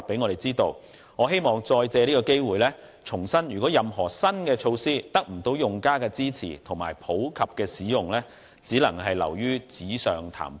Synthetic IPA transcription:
pe˨˥jŋɔ˨˧ɾe˨˩jt͡siː˥t̪o˧w | ŋɔː˨˧ɦe˥jmɔː˨ŋt͡sɔː˧jt͡sɛː˧liː˥kɔ˧ke˥jwuː˨jlɛː˥ | t͡sʰʊ˨˩ŋsɐ˥njɥyː˨˩kʷɔː˨˥jɐ˨mɦɔː˨˩sɐ˥nkɛː˧t͡ʃʰo˧wsiː˥t̪ɐ˥k̚m̩˨˩t̪o˧wjʊ˨ŋkaː˥kɛː˧t͡siː˥t͡sʰḭː˨˩t̪ʰʊ˨˩ŋma̰ː˨˩jpʰo˨˥wkʰɐ˨p̚kɛː˧siː˨˥jʊ˨ŋlɛː˥ | t͡siː˨˥lɐ̰˨˩ŋɦɐ˨jlɐ̰˨˩wjyː˥t͡siː˨˥sœː˨ŋt̪ʰa̰ː˨˩m

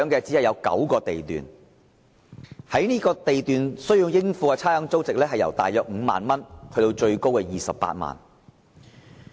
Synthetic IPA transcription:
ŋkɛː˧t͡siː˨˥hɐ˨jɐ˨˧wkɐ̰˨˥wkɔː˧t̪e˨jt̪y̰ː˨˩n | hɐ˨˥jniː˥kɔː˧t̪e˨jt̪yː˨nsɵ˥ɥji˧wjɪ˥ŋfuː˧kɛː˧t͡sʰaː˥jɐ˨˥ŋt͡so˥wt͡sɪ˨k̚lɛː˥ɦɐ˨jɐ̰˨˩wt̪aː˨jœː˨k̚ŋ̩ː˨˧ma̰ː˨nmɐ˥nhʰɵ˧t̪o˧wt͡ʃɵ˧ɥko˥wkɛː˧jiː˨sɐ˨ppa̰ː˧t̚ma̰ː˨˩n

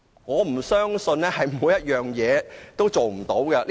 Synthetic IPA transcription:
ŋɔː˨˧m̩˨˩sœː˥ŋsɵ˧nlɛː˥hɐ˨jmuː˨˧jɐ˥t̚jœː˨ŋjɛː˨˧t̪o˥wt͡ʃo˨wm̩˨˩t̪o˨˥wkɛ˧l

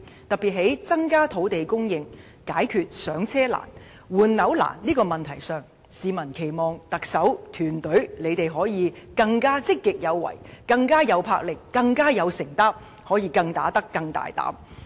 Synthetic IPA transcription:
t̪ɐ˨k̚piː˨t̚ɦe˨˥jt͡sɐ˥ŋkaː˥t̪ʰo˨˥wt̪e˨jkʊ˥ŋjɪ˧ŋ | kaː˨˥jkʰyː˨˧t̚sœː˨˥ŋt͡sʰɛː˥la̰ː˨˩n | wuː˨nnɐ˨˧˥wla̰ː˨˩nniː˥kɔː˧mɐ˨nt̪ʰɐ˨˩jsœː˨ŋ | siː˨˧mɐ˨˩nkʰe˨˩jmɔː˨˩ŋt̪ɐ˨k̚sɐ˨˥wt̪ʰyː˨˩nt̪ɵ˨˥ɥle˨˧jt̪e˨jɦɔː˨˥jiː˨˧kɐ˧ŋkaː˥t͡sɪ˥kːɪ˨k̚jɐ˨˧wːɐ̰˨˩jkɐ˧ŋkaː˥jɐ˨˧wpʰaː˧k̚lɪ˨kːɐ˧ŋkaː˥jɐ˨˧wsɪ˨˩ŋt̪ɐ˥p̚ | hɔː˨˥jiː˧kɐ˧ŋt̪a̰ː˨˥t̪ɐ˥kːɐ˧ŋt̪a̰ː˨jt̪a̰ː˨˥m

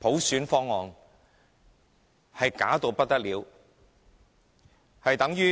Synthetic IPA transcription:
pʰo˨˥wsyː˨˥nfɔː˥ŋːɔː˨ŋ | hɐ˨jkaː˨˥t̪o˨˧wpɐ˥t̚t̪ɐ˥k̚liː˨˧w | hɐ˨jt̪ɐ˨˥ŋjyː˥

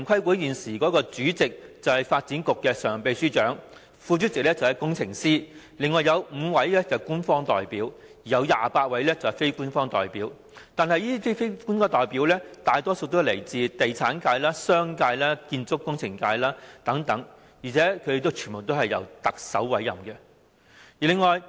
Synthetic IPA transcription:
nkʰɐ˥jkuː˨˥jiː˨˩nsiː˨˩kɔː˨˥kɔː˧t͡syː˨˥t͡sɪ˨k̚t͡sɐ˨whɐ˨˩jfaː˧t̚t͡siː˨˥nkʊ˨kːɛː˧sœː˨˩ŋpe˨˧jsyː˥t͡ʃœː˨˥ŋ | fuː˧t͡ʃy˥t͡sɪ˨k̚lɛ˥t͡sɐ˨whjkʊ˥ŋt͡sʰɪ˨˩ŋsiː˥ | lɪ˨ŋːɔː˨jɐ˨˧wm̩ː˨˧wɐ˨˥jlɛː˥kɛ˨˧˩wkuː˥nfɔː˥ŋt̪ɔː˨jpiː˨˥w | iː˨˩jɐ˨˧wjaː˨paː˧t̚wɐ˨˥jlɛ˥t͡sɐ˨whɐ˨˩fe˥jkuː˥nfɔː˥ŋt̪ɔ̰ː˨˩jpiː˨˥w | t̪aː˨nhɐ˨jiː˥fi˥fe˥ku˥nkɔː˧t̪ɔː˨jpiː˨˥wlɛː˥t̪aː˨jt̪ɔː˥so˧wt̪o˥le˨˩jt͡siː˨˧t̪e˨jt͡sʰaː˨˥nkaː˧jlaː˥sœː˥ŋkaː˧jlaː˥kiː˧nt͡sʊ˥kːʊ˥ŋt͡sʰɪ˨˩ŋkaː˧jlaː˥t̪ɐ˨˥ŋt̪ɐ˨˥ŋ | jiː˨˩t͡sʰɛː˨˥kʰɵ˨˧d̪e˨˧t̪o˥wt͡ʃʰy˨˩nbo˨wt̪o˥whɐ˨jːɐ̰˨˩wt̪ɐ˨k̚sɐ˨˥wwɐ˨˥jːɐ˨˩mkɛ˧ | jiː˨lɪ˨ŋɔː˨j

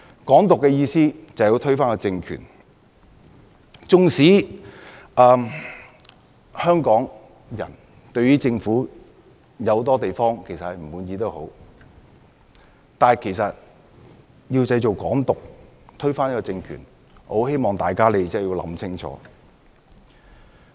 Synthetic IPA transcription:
kɔː˨˥ŋt̪ʊ˨kːɛː˧jiː˧siː˥t͡sɐ˨ji˧wt̪ʰɵ˥ɥfaː˥kɔ˧t͡sɪ˧ŋkʰy̰ː˨˩n | t͡sʊ˧ŋsiː˨˥ | ɐː˨ | hœː˥ŋkɔː˨˥ŋ | jɐ̰˨˩n | t̪ɵ˧ɥyː˥t͡sɪ˧ŋfuː˨˥ | jɐ˨˧wt̪ɔː˥t̪e˨jfɔː˥ŋkʰe˨˩jsɐ˨hɐ˨jm̩˨˩muː˨˧njiː˧t̪o˥who˨˥w | t̪aː˨˩kʰe˨˩sɐ˨t̚ | ji˧wt͡sɐ˧jt͡ʃo˨˩wkɔː˨˥ŋt̪ʊ˨k̚t̪ʰɵ˥ɥfaː˥n˥kɔ˧t͡sɪ˧ŋkʰy̰ː˨˩n | ho˨˥whe˥jmɔː˨ŋt̪aː˨˩jkaː˥le˨˧jt͡sɛː˥˩ji˧wlɐ̰˨˥msʰɪ˥ŋt͡sʰɔ̰ː˨˥

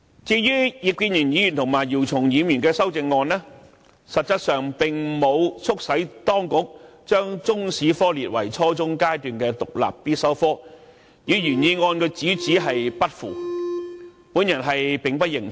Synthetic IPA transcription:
t͡siː˧jyː˥ji˨kiː˧njyː˨˩njiː˨˥jy˨nt̪ʰʊ˨˩ŋmaː˨˩jiː˨˩wt͡sʰʊ˨˩ŋjiː˨˧myː˨˩nkɛː˧sɐ˥wt͡sɪ˧ŋːɔː˧nlɛː˥ | sɐ˨t̚t͡sɐ˥t̚sœː˨ŋpɪ˨ŋmo˨˧wt͡sʰʊ˥k̚sɐ˨˥jt̪ɔː˥ŋkʊ˨˥k̚t͡ʃœː˥ŋt͡sʊ˥ŋsiː˨˥fɔː˥liː˨t̚wɐ˨˩jt͡sʰɔː˥t͡sʊ˥ŋkaː˥jt̪yː˨nkɛː˧t̪ʊ˨k̚la̰ː˨pːiː˥t̚sɐ˥wfɔː˥ | jiː˨˧jyː˨˩njiː˧ŋɔː˧nko˧t͡siː˨˥t͡siː˨˥ɦɐ˨jpɐ˥t̚fṵː˨˩ | pu˨˥njɐ˨˩nɦɐ˨jpɪ˨ŋpɐ˥jɪ˨˩ŋ

